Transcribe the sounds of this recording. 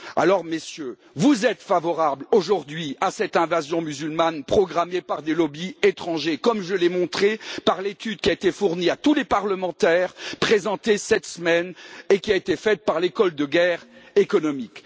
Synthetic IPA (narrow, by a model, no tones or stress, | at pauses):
a̰lɔʁmesjø | vuzɛt̪favɔʁabloʒuʁd̪ɥiasɛt̪ɛ̃vazjɔ̃myzylmanpχɔɡʁamepaʁd̪elɔbiet̪χɑ̃ʒekɔmʒəlɛmɔ̃t̪χepaʁlet̪yd̪̚kʲiaet̪efuʁniat̪ulepaʁləmɑ̃t̪ɛːʁpχezɑ̃t̪esɛt̪səmɛnekʲiaet̪efɛt̪̚paʁlekɔld̪əɡɛʁekɔnɔmik